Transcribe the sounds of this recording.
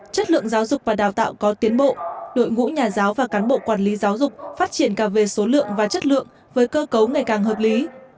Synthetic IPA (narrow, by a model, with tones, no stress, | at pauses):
t͡ɕə˦˥t̚lɨ̰˧˨əŋzaː˨˦wzʊ˨˩k͡p̚vaː˨˩ɗaː˨˩wt̪a̰ː˧˨wkɔ˨˦t̪i˨˦ənɓo̰˧˨ʔɗo̰˧˨jŋṵ˧˥ɲaː˨˩zaː˨˦wvaː˨˩kaː˨˦nɓo̰˧˨kwaː˨˩nli˨˦zaː˨˦wzʊ˨˩k͡p̚faː˦˥t̚t͡ɕi˧˩ənkaː˧˩ve˧˩so˨˦lɨ̰˧˨əŋvaː˨˩t͡ɕə˦˥t̚lɨ̰˧˨əŋ | vəː˨˦jkəː˧kə˨˦wŋa˨˩jkaː˨˩ŋɦəː˨˩p̚li˨˦